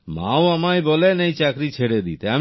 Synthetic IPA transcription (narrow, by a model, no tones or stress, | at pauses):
ma̰oamajbɔlenejt͡ɕakɾit͡ɕʰeɽed̪ḭt̪eam